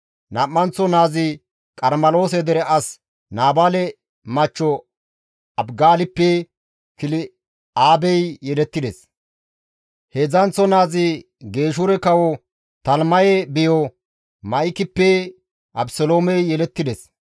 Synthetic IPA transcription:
namːɐnt͡sːɔnaːzɪ | kʼɐɾmɐlo̞ːsɛd̪ɛɾɛʔɐs | naːbalɛ | mɐt͡ʃːɔ | ɐbɡaːlɪpːɛ | kɪlɪ | aːbɛjjɛlɛt̪ːɪd̪ɛs | hezɐnt͡sːɔnaːzɪ | ɡe̞ːʃ̬ʊɾɛkɐwɔ | t̪ɐlmɐjɛbɪjɔ | mɐɪkɪpːɛ | ʔɐbsɔloːmɛjjɛlɛt̪ːɪd̪ɛs

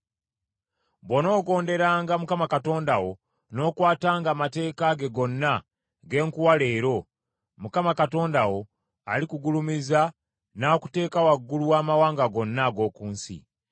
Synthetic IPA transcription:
bwo̞no̞ːɡo̞ːnde̞ɾaːŋɡamukamakato̞ːndawo̞ | no̞ːkwaːtaːŋɡaːmate̞ːkaɡe̞ɡo̞nːa | ɡe̞ːŋkuwale̞ːɾo̞ | mukamakato̞ːndawo̞ | a̰likuɡulumiza | naku̥te̞ːkawaɡːuluwaːmawaːŋɡaɡo̞nːaɡo̞ːkuːnsḭ

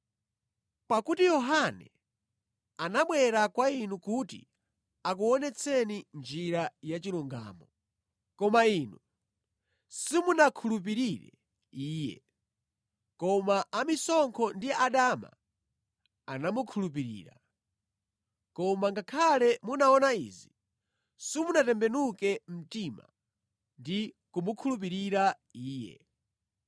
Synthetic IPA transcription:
pakutijɔɦanɛ̰ | anaɓwɛɾakwainukutḭ | ak̬uɔnɛt͡sʰɛnind͡ʒiɾajat͡ʃiluŋɡa̰ːmɔ | kɔmainu | simunakʰulup̬iɾiɾɛ̰ | iːjɛ̰ | kɔmaʔamisɔŋkʰɔndiaɗama̰ | anamukʰulup̬iɾḭːɾa̰ | kɔmaŋɡakʰalɛmunaɔnaḭːzi | simunatɛmbɛnukɛm̩tima̰ | ndi | kumukʰulup̬iɾiɾa | iːjɛ̰

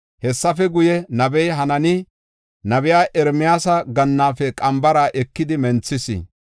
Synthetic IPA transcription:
hɛsːɐfɛɡʊjɛnɐbɛjɦɐnɐnɪ | nɐbɪjaːʔɛɾmɪjaːsɐɡɐnːaːfɛkʼɐmbɐɾaːʔɛkːɪd̪ɪmɛnt͡sːɪsɪ̰

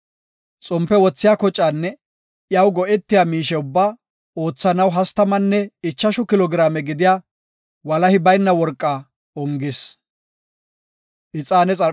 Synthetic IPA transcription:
t͡sʼɔmpːɛwɔt͡sːɪjaːkɔt͡ʃʼːaːnːɛ | jɐwɡɔʔɛt̪ːɪjaːmiːʃɛʊbːaː | o̞ːt͡sːɐnɐwɦɐst̪ɐmɐnːɛɪt͡ʃːɐʃʊkɪlɔɡɾaːmɛɡɪd̪ɪjaː | wɐlɐhɪbɐjnːɐwɔɾkʼːaː | ɔŋɡɪs | ʔɪt͡sʼaːnɛt͡sʼɐ

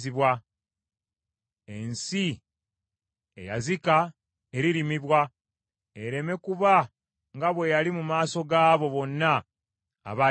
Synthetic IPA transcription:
iβwa | e̞nsi | e̞̰ja̰zika | e̞ɾiɾimiβwa | eɾe̞me̞kuβa | ŋɡaβwe̞jalimumaːso̞ɡaːβo̞βo̞nːa̰ː | βa

